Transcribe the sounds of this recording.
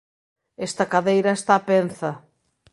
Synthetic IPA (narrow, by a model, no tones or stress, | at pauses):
est̪akaðejɾɐest̪apen̟θɐ